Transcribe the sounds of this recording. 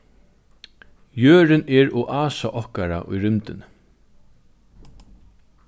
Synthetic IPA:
jøːɾɪnɛɹɔʔaːsaʔɔhkaɾa̰ʔʊ̰jɾʏmt̪ɪn

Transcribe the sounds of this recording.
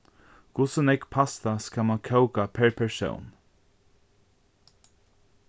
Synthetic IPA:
kʊsʊnɛkpʰast̪askamankʰœwkapʰɛɹpʰɛɹso̰wn

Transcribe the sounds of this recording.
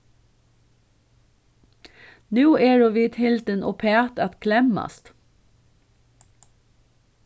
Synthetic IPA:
nʉːeːɹoːʋiːt̪hɪld̪ənʔoːpʰeɑt̪ɑt̪kʰlɛmɑ̰st̪

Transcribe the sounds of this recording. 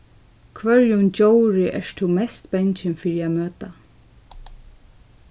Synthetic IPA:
kʰvœɹjʊnd͡ʒowɹɪʔɛ̰ɹt̪ʰuːmɛst̪bɛɲt͡ʃɪnfiːɾɪamøːt̪a

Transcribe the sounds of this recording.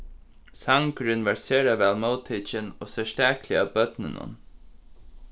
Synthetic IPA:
saŋkɾɪnʋaɹseːɾaʋɛːlməwt̪ʰiːt͡ʃɪno̰ːsɛʂt̪æːkʰlɪabœt̪nɪnʊ̰n

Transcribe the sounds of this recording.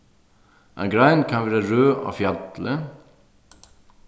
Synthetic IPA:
ʔɛ̰nɡɾæɪnkʰɑnʋæːɾəɾøːʔo̰ːfjɑt̪lə

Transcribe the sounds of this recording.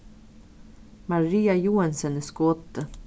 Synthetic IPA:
maɾiːajuːansənɛskɔt̪ːə

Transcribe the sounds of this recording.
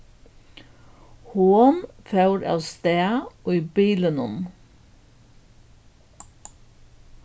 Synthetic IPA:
huːənfɑʉɾɑ̰ːst̪eːɑoːiːbiːlənɔn

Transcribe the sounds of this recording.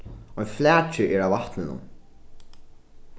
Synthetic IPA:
ɔjnflæːt͡ʃɪʔɛɹawvaht̪nɪnʊ̰m

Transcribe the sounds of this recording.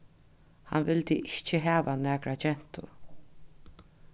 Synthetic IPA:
ha̰nvɪlt̪iʔɪht͡ʃɪɦæːʋanæːkɾat͡ʃɛn̥t̪ʊ̰ɾ

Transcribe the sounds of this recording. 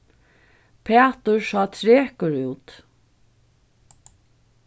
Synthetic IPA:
pʰeːt̪ʊɹsɑːt̪ʰɹeːkəɹʉːt̪

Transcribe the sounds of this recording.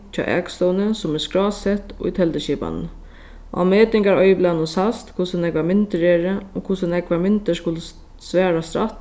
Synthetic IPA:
t͡ɕʰɔ̰ːʔɛ̰ːkst̪ɔwnəsʊmɛskɹɔːsɛt̪ʊ̰jt̪ʰɛlt̪əʃiːpa̰n | ʔa̰meːt̪ɪŋkaɹɔjɪplanʊnsast̪kʰʊsʊnɛkʋamɪnt̪əɾɛːɹəɔkʰʊsʊnɛkʋamɪnt̪əskʊlə | sʋɛːɾast̪ɾa̰t̪

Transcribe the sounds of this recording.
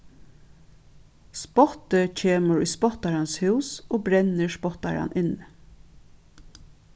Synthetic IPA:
spɔt̪əcʰeːməɹujspɔt̪aɹanshʉwsoːbɾɛnːəɹspɔht̪a̰ɹa̰nɪn

